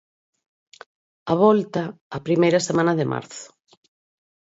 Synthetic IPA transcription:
aβɔlt̪aːpɾimejɾɐsemãnɐðɪmʔa̰ɾθʊ̥

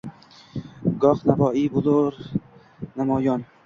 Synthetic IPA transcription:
ɡɒqnavɒːibʊloɾ | namɒjɒn

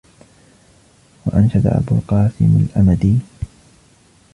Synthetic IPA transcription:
waʔanʃad̪a̰ʔa̰buːqɑːsɪmalʔamad̪iː

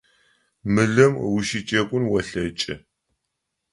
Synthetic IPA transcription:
mɨɮɐmwʊʃit͡ʃʼɐkʷʼʊnwɐɬɐt͡ʃʼɪ̰

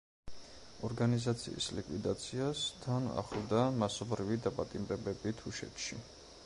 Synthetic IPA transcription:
ɔɾɡanizat̪sʰḭḭslikʼwid̪at̪sʰiast̪ʰana̰χlˠd̪amasɔbɾivid̪apʼat̪ʼimɾɛbɛbit̪ʰuʃɛ̰t̪ʰʃḭ

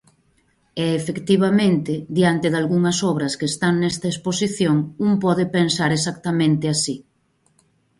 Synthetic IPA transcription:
ɛːfekt̪iβamẽnt̪ɪd̪jant̪eðalɣuŋɐsɔβ̞ɾɐskeːst̪aŋnɛst̪ɐesposiθjoŋumpɔðepensaɾesakt̪amẽnt̪ɪasi

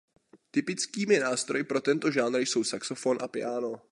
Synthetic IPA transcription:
t̪ɪpɪt͡skiːmɪnaːst̪ɾo̞jɪpɾo̞t̪ɛnt̪o̞ʒaːd̪ɾjso̞wsaksofo̞nʔa̰pɪ̰aːno̞

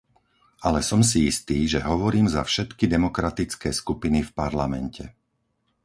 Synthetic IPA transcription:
alɛsɔms̬iist̪iːʒɛɦɔʋɔɾiːmza̰fʃɛt̪kid̪ɛmɔkɾat̪it͡skɛːskupinifpaɾlamɛ̰ncɛ̰

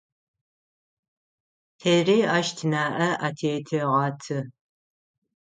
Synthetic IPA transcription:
tʰeːriːaːʃtʰɨnaːʔɐʔatʰeːtʰɐʁɑːtʰɨ

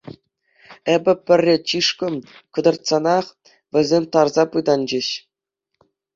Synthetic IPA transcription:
ebʲɘ̆pʲɘ̆rʲːĕt͡ɕiʂkɤ̆mkɤ̆d̪ɤ̆rt̪sɑnɑχ | ʋʲɘ̆zʲemʲt̪ɑrzɑpɯjd̪ɑnd͡ʑĕɕ

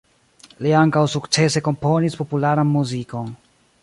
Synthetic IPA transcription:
liaŋkawsukt͡se̞se̞ko̞mpo̞nispo̞pulaɾanmuziko̞n

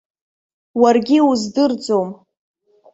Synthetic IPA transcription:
warɡʲiuzdɨrd͡zom

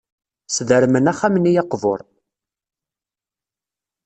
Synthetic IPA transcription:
sðəɾmənæχæmənijɑqvo̰ɾˤ

